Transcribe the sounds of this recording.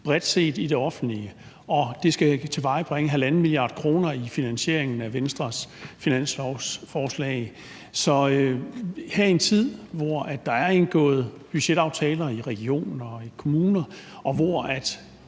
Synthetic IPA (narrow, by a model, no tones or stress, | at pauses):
b̥ʁɛd̥se̝̰ːd̥id̥e̝ɒ̽fn̩d̥liə | ɒ̽d̥e̝sɡ̥æt͡sʰe̝ʋɑ̈ɪb̥ʁeŋəɦælænn̩ˠmiliɑ̈ːd̥kʰʁo̝ːnɐifinænɕe̝ɐ̰e̝ŋn̩æʋensd̥ʁɐsfinæn̰slɒsfɒːslɛ̰ːɪ | sɒ̽øheɐ̰ie̝nt͡sʰið̰ˠʋɒæd̥ːɑ̈æɐe̝nɡ̥ɔ̰̽ːð̞̩ˠ | b̥yɕeɾ̥ɑ̈ʊt͡sʰɛ̰ːlɐiʁɛɡ̥io̝̰ːnn̩ɒ̽ikʰo̝muːnɐ | ʔɒ̽ʋɒæd̥